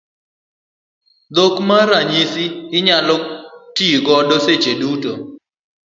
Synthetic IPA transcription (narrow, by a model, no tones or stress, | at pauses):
d̪okmaɾaɲisiɪɲalɔtiɡɔdɔset͡ʃeduto